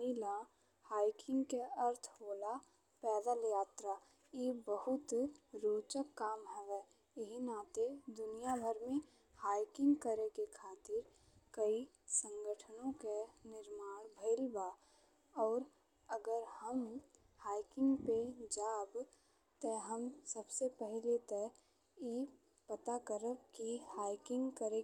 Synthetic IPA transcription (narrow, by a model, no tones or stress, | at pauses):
ila | haːɪkɪ̃ŋɡkeəɾt̪ʰhoːla | pɛːd̪əljaːt̪ɾa | jeːbəɦʊt̪ɾoːt͡ʃəkːaːmɦɛʋɛ | ɦinaːt̪ed̪ʊnijabʱəɾmẽ | haːɪkɪ̃ŋɡkəɾekekʰaːt̪ɪɾ | kəi | sə̃ŋɡəʈʰənõkenɪɾmaːɽ̃bʱəɪlbaː | ɔːɾ | əɡəɾhəm | haːɪkɪ̃ŋɡped͡ʒaːb | t̪ɛɦəmsəbsepɛɦlet̪ɛ | i | pət̪akəɾəkkihaːɪkɪ̃ŋɡkəɾe